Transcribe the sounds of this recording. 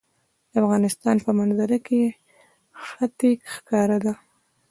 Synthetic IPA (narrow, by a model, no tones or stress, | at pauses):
d̪̥əafɣɑnɪst̪ɑnpəmanzaɾake | xat̪ikxkɑɾad̪a